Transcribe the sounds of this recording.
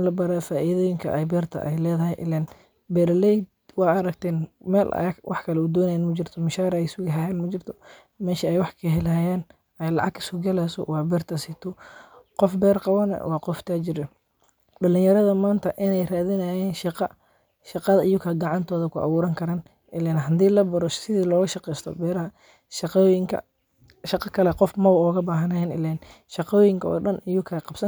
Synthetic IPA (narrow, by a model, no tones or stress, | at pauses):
nlɐbɐɾaːfaːʔiðɔːjɪŋkʰɐ̰ʔɛjbɛːrt̪ʰɐ̰ʔɛ̰jlɛːðɐɦɛjʔɪ̰lɛn | bɛːɾɐlɛjd̪ | wɑːɐɾɐɡt̪ʰɛːnmɛ̰ːlʔɐ̰wɑ̰ħkʰɐlɛud̪ɔːnɐjɛnmɐt͡ʃɪrt̪ʰɔmɪʃaːɾɛjɪsʊɣɐɦɐjɛːnmɐt͡ʃɪrt̪ʰɔ̥ | mɛːʃɐɛjwɑħkʰɐɦɛlɦɐjɛːn | ɛjlɑ̰ʕɑɡɪ̥sʊɡɐlɛsɔ̰wɑːbɛːrt̪ʰɐsɪt̪ʰɔqɔfbɛːrqɑβɐnɛ̰wɑːqɔft̪ʰaːt͡ʃɪɾɛ | ɖɐlɪnjɐɾɐðɐmaːnt̪ʰɐʔɪnɛjraːðɪnɐjɛːnʃqɐ | ʃɑqɑðɐʔɪjʊkʰɐɡɑʕɑnt̪ʰɔːðɐkʰʊʔɐ̰βuːɾɐŋkʰɐɾaːn | ʔɪlɛnɦɐd̪iːlɐbɐɾɔsɪðiːlɔːɣɐʃɑqɛjst̪ʰɔ̰bɛːɾɐɦɐ | ʃjɪŋkʰɐ̰ | ʃɑqɑkʰɐlɛqɔfmɐwɔːɣɐbaːɦɐnɐjɛnɪ̰lɛn | ʃɑqɔːjɪŋkʰɐɔ̰ːɖɐnɪjʊkʰɐqɑbsɐn